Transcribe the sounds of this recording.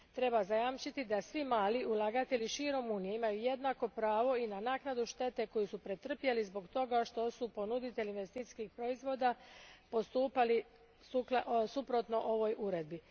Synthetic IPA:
t̪ɾe̞bazajamt͡ʃit̪id̪asʋimaːliʔulˠaɡat̪e̞ʎiʃiːɾo̞munijeimajuje̞d̪nako̞pɾaːʋo̞inanaːknad̪uʃt̪e̞t̪e̞ko̞jisupɾe̞t̪r̩pjelizbo̞ɡt̪o̞ɡaʃt̪o̞supo̞nud̪it̪e̞lʲinʋest̪it̪i̥skixpɾo̞izʋo̞ːd̪apo̞st̪uːpali | usupɾo̞t̪no̞ʔo̞ʋo̞jʔuɾe̞d̪̚bi

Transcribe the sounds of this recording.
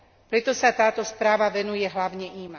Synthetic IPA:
pɾɛt̪ɔsat̪aːt̪ɔspɾaːʋaʋɛnujɛɦlaʊɲɛʔiːma

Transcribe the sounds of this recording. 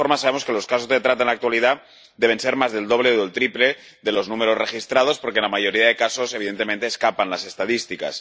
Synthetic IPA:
oɾmas̬aβemo̞ske̞lo̞skas̬o̞zðe̞t̪ɾat̪aenlakt̪waliða | d̪eβ̞e̞nse̞ɾmazðe̞ld̪o̞β̞leoðelt̪ɾiple̞ | ðe̞lo̞znume̞ɾo̞zrexist̪ɾað̞o̞spo̞ɾkenlamaʝo̞ɾiaðe̞kaso̞seβiðe̞nt̪e̞mẽnt̪eːskapanlase̞st̪aðist̪ika̰s

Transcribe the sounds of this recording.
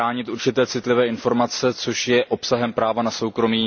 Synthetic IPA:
aːɲɪt̪ʔuɾt͡ʃɪt̪ɛːt͡sɪt̪lɪvɛːʔɪnfo̞ɾmat͡sɛt͡so̞ʃjɛʔo̞psaɦɛmpɾaːvanaso̞wkɾo̞miː

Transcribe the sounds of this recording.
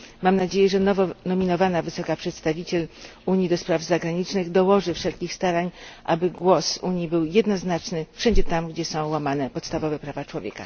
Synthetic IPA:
mamnad͡ʑejɛʐɛnɔvɔnɔmʲinɔvanavɘsɔkapʂɛt̪st̪avʲit͡ɕɛl | uɲjid̪ɔspɾavzaɡɾaɲit͡ʂnɘɣd̪ɔwɔʐɘfʂɛlkʲixst̪aɾaɲʔabɘɡwɔsuɲjibɘwjɛd̪nɔznat͡ʂnɘfʂɛɲd͡ʑɛt̪amɡd͡ʑɛsɔ̃w̃wamanɛpɔt̪st̪avɔvɛpɾavat͡ʂwɔvʲjɛ̰ka̰

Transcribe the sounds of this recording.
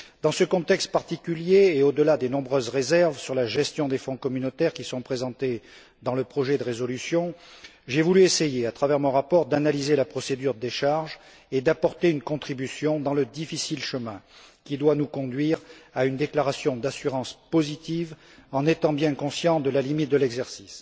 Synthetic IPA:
d̪ɑ̃səkɔ̃t̪ɛkst̪̚paʁt̪ikʲyljeːod̪əlad̪enɔ̃bʁøzʁezɛʁvsyʁlaʒɛst̪jɔ̃d̪efɔ̃kɔmynot̪ɛʁkʲisɔ̃pχezɑ̃t̪e | d̪ɑ̃ləpχɔʒɛd̪əʁezɔlysjɔ̃ | ʒɛvulyesejeat̪χavɛʁmɔ̃ʁapɔʁd̪analizelapχɔsed̪yʁdd̪eʃaʁʒ | ed̪apɔʁt̪eynkɔ̃t̪χibysjɔ̃d̪ɑ̃ləd̪ifisilʃəmɛ̃kʲid̪wanukɔ̃d̪ɥiʁaynd̪eklaʁasjɔ̃d̪asyʁɑ̃spozit̪iv | ɑ̃net̪ɑ̃bjɛ̃kɔ̃sjɑ̃d̪əlalimit̪̚d̪əlɛɡzɛʁsis

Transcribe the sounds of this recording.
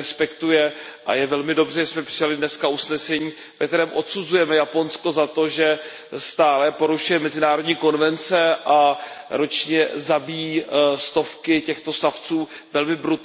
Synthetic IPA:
ɛspɛkt̪ujɛʔa̰jɛvɛlmɪdo̞brɛʒɛsmɛpr̥ɪjalɪdnɛskausnɛsɛɲiː | vɛk̚t̪ɛɾɛːmʔo̞t̪suzujɛmɛjapo̞nsko̞zat̪o̞ʒɛ | st̪aːlɛpo̞ɾuʃujɛmɛzɪnaːɾodɲiːko̞nvɛnt͡sɛʔaɾo̞t͡ʃɲɛzabijist̪o̞fkɪcɛxt̪o̞saft͡suː | vɛlmɪbɾut̪

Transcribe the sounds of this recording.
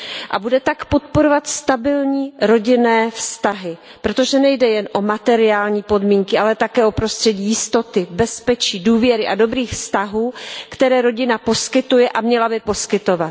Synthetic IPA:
ʔa̰budɛt̪akpo̞t̪̚po̞ɾovat̪st̪abɪlɲiːɾo̞ɟɪnɛːfst̪aɦɪ | pɾo̞t̪o̞ʒɛnɛjdɛjɛnʔo̞mat̪ɛɾɪaːlɲiːpo̞dmiːŋkɪʔalɛt̪akɛːʔo̞pɾo̞st̪r̥ɛɟiːjɪst̪o̞t̪ɪbɛspɛt͡ʃiːduːvjɛɾɪʔado̞bɾiːxfst̪aɦuːkt̪ɛɾɛːɾo̞ɟɪnapo̞skɪt̪ujɛʔamɲɛlabɪpo̞skɪt̪o̞vat̪

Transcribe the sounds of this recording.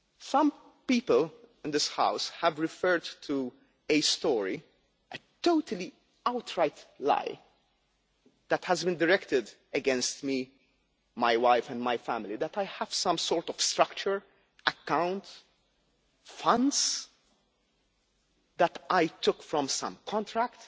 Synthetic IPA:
sʌ̃m | piːpəlɪ̃nd̪ɪsha̰ʊshævɹɪfɜɹdtʰu | ɨstɔːɹi | ʔət̪oʊt̪ʰəli | aʊtʰɹaɪt̪la̰ɪ | d̪̥æthæzbɨ̃ndəɹɛkt̪ɪd̪ | əɡɛ̃nst̪mi | maɪwaɪfæ̃ndmajfæmɪlid̪ætaɪjhæv̥sʌ̃msɔːɹtɔv̥stɾʌkt͡ʃəɹ | ʔəkːãʊ̃nt | fʌ̃nds | d̪ætʔaɪt̪ʊkfɹɔ̃msʌ̰̃mkʰɔ̃nt̪ɾækt̪

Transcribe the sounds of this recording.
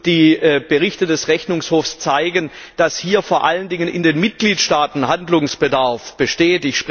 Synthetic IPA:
d̥iːb̥əʁɪçtədɛsʁɛçnʊŋshoːfst͡saɪɡən | d̥ashiːɐfoːɐʔaləndɪŋənɪ̰ndeːnmɪt̚ɡ̥liːtʃtaːtn̩handlʊŋsb̥ədaɐfb̥əʃteːtɪçʃpʁ

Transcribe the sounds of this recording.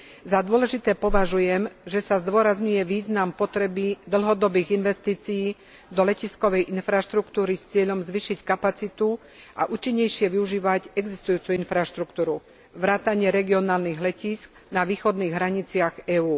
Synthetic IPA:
zad̪ʊɔlɛʒit̪ɛːpɔʋaʒujɛmʒɛsazd̪ʊɔɾazɲujɛʋiːznampɔt̪ɾɛbid̪l̩ɦɔd̪ɔbiːɣinʋɛst̪iːt͡sijː | d̪ɔlɛciskɔʋɛjʔinfɾaʃt̪ɾukt̪uːɾist͡sɪɛʎɔmzʋiːʃickapat͡sit̪u | a̰ʔuːt͡ʃiɲːɛjʃɪɛʋiuʒiːʋacɛɡzist̪ujuːt͡suinfɾaʃt̪ɾukt̪uːɾu | ʋɾaːt̪aɲɪɛɾɛɡiɔnaːlniɣlɛcisk̚ | naʋiːxɔd̪niːɣɦɾaɲit͡sɪaɣɛːuː

